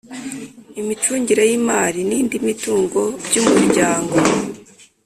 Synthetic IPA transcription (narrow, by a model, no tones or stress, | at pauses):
imit͡ʃuːɲɟiɾajimaːɾiniːndimituːŋɡo̞bjumuɾɟaːŋɡo̞